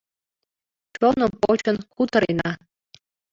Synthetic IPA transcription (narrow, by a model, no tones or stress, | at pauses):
t͡ɕonopot͡ɕə̆nkut̪ɤ̆ɾenɑ